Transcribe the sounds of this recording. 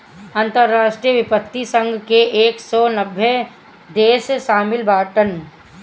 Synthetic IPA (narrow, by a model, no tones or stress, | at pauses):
ɐ̃nt̪əɾːaːʃʈɾijəʋɪpət̪ːisə̃ŋɡʱkeʔeːksɔːnɐbʱːe | d̪eːsʃaːmɪlbaːʈən